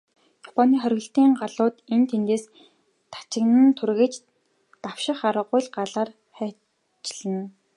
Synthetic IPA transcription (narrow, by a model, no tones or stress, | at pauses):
jɔpɔniːχœɾ̆ʲɣɘ̆ɬt̪iːɴɢaɮʊːt̪ent̪ʰent̪eːs | t̪ʰḁt͡ɕɪ̆knɘ̆nt̪ʰurɣĕt͡ɕ | t̪awʃɪ̆χaɾə̆ʁʊjɮɢaɮaːr | χæː | t͡ɕɪɮɘ̆n